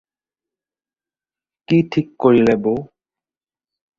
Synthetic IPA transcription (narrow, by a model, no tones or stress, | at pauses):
kiʈʰikːoɾilebo